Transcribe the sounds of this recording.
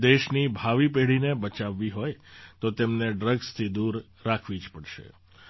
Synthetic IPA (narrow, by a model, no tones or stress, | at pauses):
d̪eʃnibʱaʋipeɭinebət͡ʃaʋːiɦojt̪ot̪emneɖɾəɡst̪ʰid̪uɾː | akʰʋid͡ʒpəɽʃḛ